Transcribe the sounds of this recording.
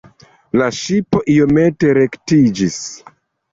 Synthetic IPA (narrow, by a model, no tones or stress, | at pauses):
laʃipo̞ʔiome̞te̞ɾe̞ktid͡ʒis